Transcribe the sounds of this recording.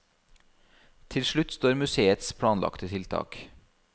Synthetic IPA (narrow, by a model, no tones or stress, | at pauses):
t̪ʰɪlʃɭʉt̪st̪oːɾmʉseːət̪spʰɽɑːnlʔɑ̰kt̪ət̪ʰɪlt̪ʰɑ̰ːk